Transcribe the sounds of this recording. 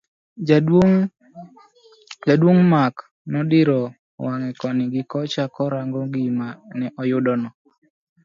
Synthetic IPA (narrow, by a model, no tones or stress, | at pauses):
d͡ʒadwoŋmak | nɔdɪɾɔ | waŋɛkɔnɪɡɪkɔt͡ʃakɔɾaŋɡɔɡimanɛʔɔjʊdɔnɔ